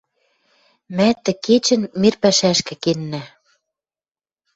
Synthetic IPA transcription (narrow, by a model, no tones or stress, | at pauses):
mæt̪ːɘ̆ket͡ɕɘ̆nmirpæʃæʃkɘ̆kenːæ